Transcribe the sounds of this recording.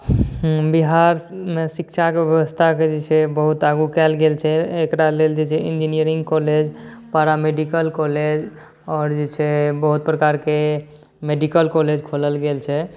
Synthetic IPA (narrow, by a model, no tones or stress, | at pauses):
biɦaɾmesikt͡ʃʰakejeʋəst̪ʰaked͡ʒet͡ʃʰɛbəɦut̪aɡukɛlɡelt͡ʃʰɛekɾaleld͡ʒet͡ʃʰɛind͡ʒinijəɾĩŋɡkɔled͡ʒpaɾameɖikəlkɔled͡ʒ | ɔːɾd͡ʒet͡ʃʰɛbəɦut̪̚pɾəkaɾke | meɖikəlkɔled͡ʒkʰoləlɡelt͡ʃʰɛ